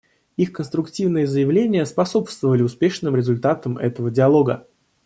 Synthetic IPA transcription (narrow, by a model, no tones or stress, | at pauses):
ixkənst̪ɾʊktʲivnɨjəzəjɪvlʲenʲɪjəspɐso̞pst̪vəvəlʲɪʊspʲe̞ʂnɨmɾʲɪzʊlʲt̪at̪əmʔɛ̰t̪əvədʲɪɐlˠo̞ɡə